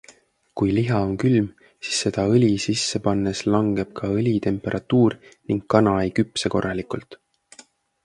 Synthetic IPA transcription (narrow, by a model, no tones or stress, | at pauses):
kujliɦɑo̞nkylm | si̥sːe̞d̪̥ɑɤlʲisisːepɑnːeslɑŋɡ̥e̞b̥̚kʰɑɤlʲit̪e̞mpe̞ɾʔɑt̪uːrniŋkkːɑnɑjkypseko̞̰rːɑlikult̪